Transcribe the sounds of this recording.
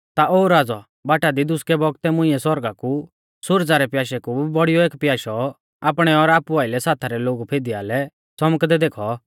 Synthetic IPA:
t̪aʔoːɾaːd͡zɔ | baːʈad̪id̪ʊskɛbɔɡt̪ɛmʊ̃ɪ̃ɛsɔɾɡaku | sʊɾd͡zaɾɛpjaːʃɛkubɔɽijɔeːkpjaːʃɔ | aːpɽ̃ɛɔɾaːpuaːɪlɛsaːt̪ʰaɾɛloːɡupʰeːd̪iaːlɛ | t͡sɔməkd̪ɛd̪eːkʰɔ

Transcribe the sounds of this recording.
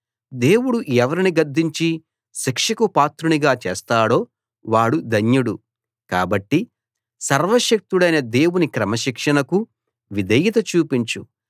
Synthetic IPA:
d̪e̞ːwuɽuɛʋɐɾiniɡɐɾd̪ʱːiɲt͡ʃi | ʃikʂɐkupaːt̪ɾuniɡaːt͡ʃeːst̪aːɽo̞ː | ʋaːɽud̪ɐɲjuɽu | ka̰ːbɐʈːi | sɐɾʋɐʃɐk̚t̪uɽɐjnɐd̪e̞ːwunikɾɐmɐʃikʂɐnɐku | ʋid̪ʱɐjit̪ɐt͡ʃuːpiɲt͡ʃu

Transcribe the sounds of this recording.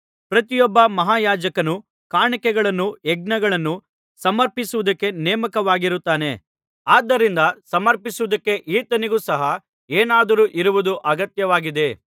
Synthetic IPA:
pɾɐt̪ijɔbːɐmɐɦaːjaːd͡ʒɐkɐnu | kaːɳɐkɛɡɐɭɐnːuɛɡ̚nɐɡɐɭɐnːu | sɐmɐɾpisuʋud̪ɐkːe̞neːmɐkɐʋaːɡiɾut̪ːaːne̞ | aːd̪ːɐɾind̪ɐsɐmɐɾpisuʋud̪ɐkːe̞ʔiːt̪ɐniɡuːsɐɦɐ | eːnaːd̪ɐɾuːʔiɾuʋud̪uʔɐɡɐt̪jɐʋaːɡid̪e̞

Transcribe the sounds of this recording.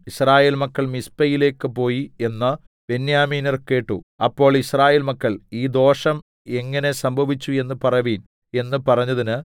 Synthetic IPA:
israːje̞ːlmɐkːɐɭmispɐjile̞ːkːɨpo̞ːjie̞nːɐ | b̥e̞njaːmiːnirkːeːʈːṵɐpːo̞ːɭisraːje̞ːlmɐkːɐɭiːd̪o̞ːʂɐm | e̞ŋːɐne̞sɐmbʱɐʋit͡ɕːue̞nːɨpɐrɐʋiːn | e̞nːɨpɐrɐɲːɐðinɨ

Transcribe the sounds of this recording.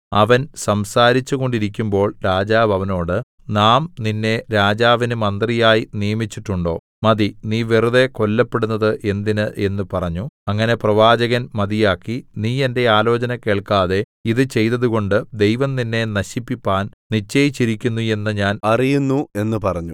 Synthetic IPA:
ɐʋɐnsɐmsaːɾit͡ɕːuɣo̞ɳɖiɾikʲːumbo̞ːɭɾaːd͡ʑaːʋɐʋɐno̞ːɽɨ | naːmninːe̞ɾaːd͡ʑaːʋinɨmɐnd̪rijaːjinijɐmit͡ɕːiʈːuɳɖo̞ː | mɐðiniːʋeruðe̞ko̞lːɐpːeɽunːɐðɨʔe̞nd̪inɨʔe̞nːɨpɐrɐɲːuɐŋːɐne̞prɐʋaːd͡ʑɐɣɐnmɐðijaːkːiniːe̞nde̞aːlo̞ːt͡ɕɐnɐke̞ːɭkaːðe̞ | iðɨt͡ɕe̞jt̪ɐðuɣo̞ɳɖɨd̪e̞jʋɐmninːe̞nɐɕipːipːaːnnit͡ɕːɐjit͡ɕːiɾikʲːunːue̞nːɨɲaːnɐrijunːue̞nːɨpɐrɐɲːu

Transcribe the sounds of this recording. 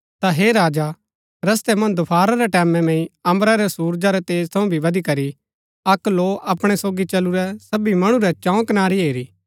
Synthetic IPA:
t̪aɦeːɾaːd͡ʒa | ɾɐs̬t̪ɛmɐ̃nd̪ʊpʰaːɾaɾɛʈɛːmɛ̃mɛ̃ːĩɐ̃mbɾaɾɛsuːɾd͡ʒaɾɛt̪eːzt̪ʰɐũbʱiʋɐd̪ikɐɾi | ɐkloːʔɐpɽ̃ɛsoːɡit͡ʃɐluɾɛsɐbimɐɽ̃uɾɛt͡ʃãũkɐnaːɾiɦeːɾiː

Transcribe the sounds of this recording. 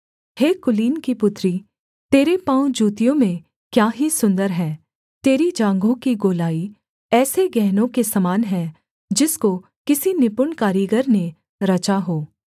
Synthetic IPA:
heːkʊliːnkipʊt̪ɾi | t̪eːɾepãːũd͡ʒuːt̪ijõmẽ | kjaːɦisʊ̃nd̪əɾɦɛ̃ː | t̪eːɾid͡ʒãːŋɡõkiɡoːlaːi | ɛːseɡɛɦnõkesɐmaːnɦɛ̃ | d͡ʒɪsko | kɪsinɪpʊɳkaːɾiɡəɾnẽ | ɾɐt͡ʃaɦoː

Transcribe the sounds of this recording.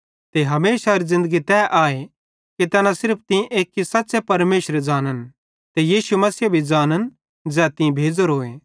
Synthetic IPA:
t̪eɦɐmeːsaɐɾizɪ̃nd̪əɡit̪ɛːʔaːe | kit̪ɛnãsɪɾpʰt̪ɪ̃ʔeːkɦisɐtːsepɐɾmeːʃɾed͡ʒaːnən | t̪ejiːʃumɐsiːbʱid͡ʒaːnən | d͡zɛːt̪ɪ̃bʱeːd͡zoɾɦoːe

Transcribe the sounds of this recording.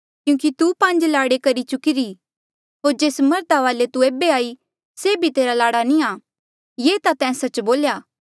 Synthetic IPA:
kjũːkit̪upɐ̃nd͡ʒlaːɽekɐɾit͡ʃʊkɪɾi | ɦoːɾd͡ʒeːsmɐɾd̪aʋaːlet̪ueːbeaːi | sebʱit̪eːɾalaːɽanĩaː | jeːt̪at̪ɛ̃ːsɐt͡ʃboːljaː

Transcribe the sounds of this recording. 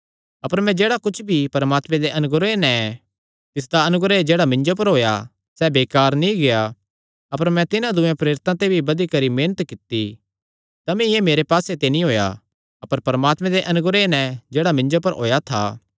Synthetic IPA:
ɐpəɾmɛ̃d͡ʒeːɽakʊt͡ʃʰbʱipɐɾmaːt̪mɛ̃d̪eʔɐnʊɡɾenɛ | t̪ɪs̬d̪aɐnʊɡɾed͡ʒeːɽamɪ̃nd͡ʒop̬ɐɾɦoːja̰ | sɛbeːkaːɾnĩɡeja | ɐpəɾmɛ̃t̪ɪnãd̪ʊẽpɾeːɾɪt̪ãt̪ebʱibɐd̪ikɐɾimeːnət̪kɪt̪ːi | t̪ɐmĩjemeːɾepaːset̪enĩɦoːja̰ | ɐpəɾpɐɾmaːt̪mɛ̃d̪eʔɐnʊɡɾenɛ̃d͡ʒeːɽamɪ̃ɲd͡ʒopɐɾɦo̰ːjat̪ʰaː

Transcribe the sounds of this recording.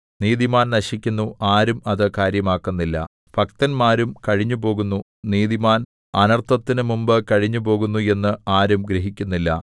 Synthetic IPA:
niːðimaːnnɐɕikʲːunːuʔaːɾumɐðɨkaːɾjɐmaːkːunːilːɐ̰ | fɐkt̪ɐnmaːɾumkɐɻiɲːupo̞ːɣunːu | niːðimaːn | ɐnɐrt̪ʰɐt̪ːinɨmumbɨkɐɻiɲːupo̞ːɣunːue̞nːɨaːɾumɡɾeɦikʲːunːilːɐ̰

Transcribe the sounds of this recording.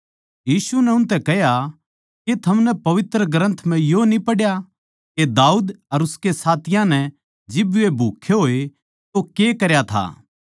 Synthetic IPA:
jiːsunɛʊnt̪̬ɛkɛɦja | ket̪ʰɐmnɛpɐʋɪt̪ɾəɡɾə̃nt̪ʰm̤ɛ̃jonipɐɽja | ked̪aːuːd̪ɐɾʊskesaːt̪ɪjãnɛ | d͡ʒɪbebʱuːkʰːeɦoːe | t̪okekɐɾjat̪ʰa̰ː

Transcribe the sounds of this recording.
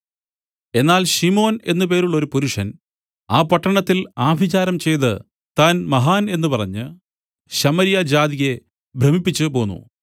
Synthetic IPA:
e̞nːaːlɕimo̞ːne̞̰nːɨpe̞ːɾuɭːo̞ɾupuɾuʂɐn | aːpɐʈːɐɳɐt̪ːilaːbʱit͡ɕaːɾɐmt͡ɕe̞jt̪ɨ | t̪aːnmɐɦaːne̞nːɨpɐrɐɲːɨ | ɕɐmɐɾijɐd͡ʑaːðiɣe̞ | bʱrɐmipːit͡ɕːɨpo̞ːnːṵ

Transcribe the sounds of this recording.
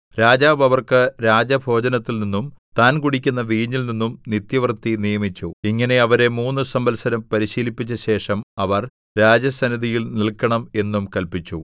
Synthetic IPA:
ɾaːd͡ʑaːʋɐʋɐrkɨɾaːd͡ʑɐbʱo̞ːd͡ʑɐnɐt̪ːilninːumt̪aːnkuɽikʲːunːɐʋiːɲːilninːumnit̪jɐʋɐrt̪ːinijɐmit͡ɕːuiŋːɐne̞ɐʋɐɾe̞muːnːɨsɐmbɐlsɐɾɐmpɐɾiɕiːlipːit͡ɕːɐɕe̞ːʂɐmɐʋɐr | ɾaːd͡ʑjɐsɐniðijilnilkːɐɳɐme̞nːumkɐlpit͡ɕːu

